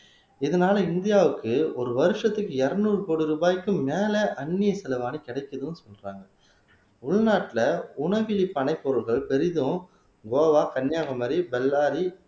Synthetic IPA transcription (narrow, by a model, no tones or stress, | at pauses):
ɪðɐnaːlɐɪnd̪ɪjaːʋɯkːɯɔɾɯʋɐɾɯʂɐt̪ːɯkːɯɛɾɐnuːrɯpoːɽɯɾɯbaːjkːɯmmeːlɛʔɐɳːɪjɐsɛlɐʋaːnikɪɽɐɪkːɐðɯnːɯsɔlraːŋɡɐ | ʊɭnaːʈːɪlɐʊɳɐʋɪlipːɐnɐɪpːɔɾɯɭɣɐɭpɛɾɪðɯ̃ | ɡoːʋaːkɐnjaːɣɐmɐɾibɛlːaːɾi